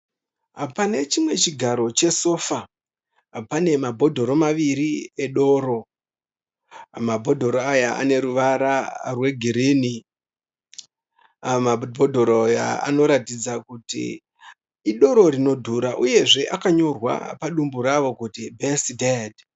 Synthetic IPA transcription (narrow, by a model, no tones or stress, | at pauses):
pane̞t͡ʃimwe̞t͡ʃiɡʱaɾo̞t͡ʃe̞so̞ːfa | pane̞mabʱo̞dʱo̞ɾo̞maʋiɾieɗo̞ːɾo̞ | mabʱo̞dʱo̞ɾoajaʔa̰ne̞ɾuʋaɾarwe̞ɡʱiɾini | mabʱo̞dʱo̞ɾojaa̰no̞ɾatid͡zakutḭ | iɗo̞ɾo̞ɾino̞dʱuɾaʔuje̞ʐe̞ʔakaɲo̞rwa̰paɗumbuɾaʋo̞kutibʱesided